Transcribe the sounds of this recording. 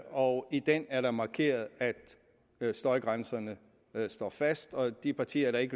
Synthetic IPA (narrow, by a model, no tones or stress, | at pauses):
ɒ̽id̥en̰æɐɾ̥ɑ̈mɑ̈kʰe̝̰ːɐð̞̩ˠæd̥ | sd̥ɒ̽ɪɡ̥ʁansɐnə | sd̥ɒ̰ːfæsd̥ɒ̽d̥ipʰɑ̈t͡sʰḭːɐɾ̥ɑ̈e̝ɡə